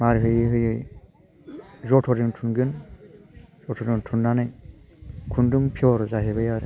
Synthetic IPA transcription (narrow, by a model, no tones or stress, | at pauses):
maɾɦɯjɦɯjɯj | zɔtʰɔɾiŋtʰunɡɯn | zɔtʰɔɾiŋtʰunːanɯj | kʰundɯmpʰiɔɾzaɦebajaɾ